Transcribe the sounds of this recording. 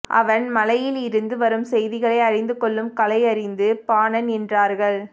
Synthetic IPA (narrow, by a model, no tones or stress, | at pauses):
ʔɐ̰ʋɐnmɐlɐjɪlɪɾɯnd̪ɯʋɐɾɯmsɛjðɪɣɐɭɐɪɐɻɪnd̪ɯkːɔɭːɯmkɐlɐɪɐɾɪnd̪ɯpaːnɐnɛndraːɾɣɐɭ